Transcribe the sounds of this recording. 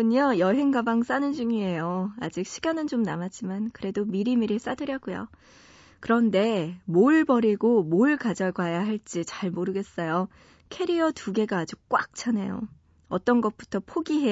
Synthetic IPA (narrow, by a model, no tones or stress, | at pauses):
ɯɲʌjʌɦe̞ŋɡabaŋs͈anɯnd͡ʑuŋie̞joa̰d͡ʑik̚ɕʰiɡanɯnt͡ɕomnamat̚t͡ɕ͈imankɯɾe̞domiɾimiɾɯɭs͈adɯɾjʌɡujo̰ | kɯɾʌnde̞moɭbʌɾiɡomoɭkad͡ʑaɡwajaɦaɭt͡ɕ͈it͡ɕaɭmoɾɯɡe̞s͈ʌjo | kʰe̞ɾiʌtuɡe̞ɡaːd͡ʑuk͈wak̚t͡ɕʰanejo̰ | ʌt͈ʌnɡʌt̚p͈u̥tʰʌpʰoɡiɦe